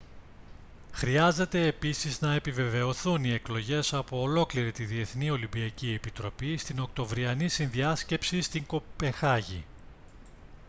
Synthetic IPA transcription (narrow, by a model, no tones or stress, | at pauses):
xɾiɐze̞t̪e̞ːpisiznɐe̞pive̞ve̞o̞θunie̞klo̞ʝe̞sɐpo̞ːlo̞kliɾit̪iðie̞θnio̞limbiɐcie̞pit̪ɾo̞pist̪ino̞k̚t̪o̞vɾiɐnisinðiɐsce̞psist̪iŋko̞pe̞ŋxɐʝḭ